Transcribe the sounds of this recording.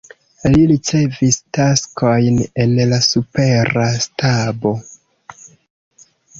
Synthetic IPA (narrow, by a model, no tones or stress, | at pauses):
liɾit͡se̞vistaskʰo̞jne̞nlasupe̞ɾastabo̞